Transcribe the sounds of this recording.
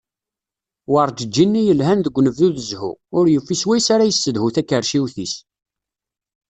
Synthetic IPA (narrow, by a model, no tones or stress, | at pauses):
wəɾˤd͡ʒəd͡ʒːinːijəlɦænðəɡʷnəvðuðəzhṵʊɾjəfːiswæjsaɾæjəsːəðhuθækːəɾʃiwθis